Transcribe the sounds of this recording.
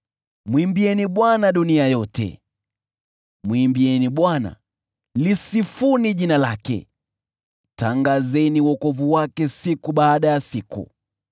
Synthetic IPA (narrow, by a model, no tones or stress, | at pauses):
mwimbiɛniɓwanaɗuniajɔtɛ̰ | mwimbiɛniɓwana̰ | lisifuniʄinala̰kɛ̰ | taŋɡazɛniwɔkɔvuwakɛsikuɓaːɗajasikṵ